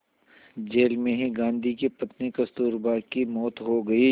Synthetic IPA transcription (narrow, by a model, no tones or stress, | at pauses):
d͡ʒeːlmẽɦiɡãːnd̪ʱikipɐt̪nikɐst̪uːɾbaːkimɔːt̪ɦoɡɐi